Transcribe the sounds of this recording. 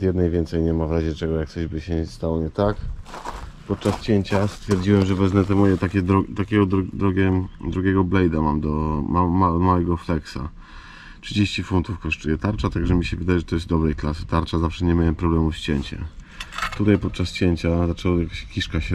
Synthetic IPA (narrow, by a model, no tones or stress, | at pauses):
d̪jɛd̪najvʲjɛnt̪sɛjɲɛmavɾaʑɛt͡ʂɛɡɔjak̚t̪sɔʑbɘɕɛst̪awɔɲɛt̪ak | pɔt̪̚t͡ʂast͡ɕeɲt͡ɕast̪fʲjɛɾd͡ʑiwɛmʐɛvɛznɛt̪ɛmɔjɛt̪akʲɛd̪ɾɔt̪akʲɛɡɔd̪ɾd̪ɾɔɡʲɛd̪ɾuɡʲɛɡɔblɛjd̪amamd̪ɔmaːamawɛɡɔflɛksa̰ | tʂɨd͡ʑeɕt͡ɕifunt̪ufkɔʂt͡ʂujɛt̪aɾt͡ʂat̪aɡʐɛmʲiɕɛvɘd̪ajɛʐɛt̪ɔjɛst̪̚d̪ɔbɾɛjklasɨ̥t̪aɾt͡ʂazafʂɛɲɛmʲawɛmpɾɔblɛmufɕt͡ɕeɲt͡ɕɛ̰ | t̪ut̪ajpɔt̪̚t͡ʂast͡ɕeɲt͡ɕazat͡ʂɛwɔjakaɕkʲiʂkaɕɛ